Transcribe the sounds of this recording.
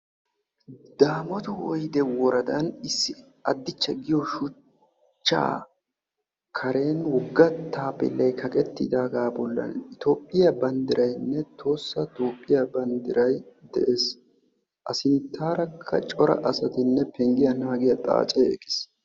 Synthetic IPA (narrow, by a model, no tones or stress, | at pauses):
d̪̥aːmɔt̪ʊwɔjd̪ɛwɔɾɐd̪ɐnɪsːɪ | ɐd̪ːɪt͡ʃːɛɡɪjɔʃʊ | t͡ʃːa̰ː | kʰɐɾe̞ːnwɔɡːɐt̪ːaːpːɪ̰lːɐjkʰɐkʼɛt̪ːɪ̰d̪aːɡaːbɔlːɐ̰nɪt̪o̞ːpʼːɪjɐbɐnd̪ɪɾɐjnːɛt̪ʰo̞ːsːɐt̪o̞ːpʼːɪjɐbɐnd̪ɪɾɐjd̪ɛʔe̞ːs | ʔɐsɪnt̪ʰːaːɾɐkʰːɐ̰t͡ʃʼɔɾɐ̰ʔɐsɐt̪ɪnːɛpɛŋɡɪjɐnaːɡɪjɐt̪ʼa̰ːt͡ʃʼɛḛːkʼɪ̥s